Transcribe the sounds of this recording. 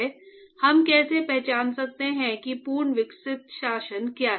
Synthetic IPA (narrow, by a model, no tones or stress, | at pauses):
hɐmkɛːsepɛɦt͡ʃaːnsɐk̚t̪eɦɛ̃kipuːɾɳəʋɪksɪt̪ʃaːʃənkjaː